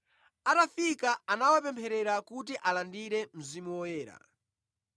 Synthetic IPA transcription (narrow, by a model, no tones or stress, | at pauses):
atafikaanawapɛmpʰɛɾɛɾakutiʔalandiɾɛm̩zimuwɔjɛːɾa̰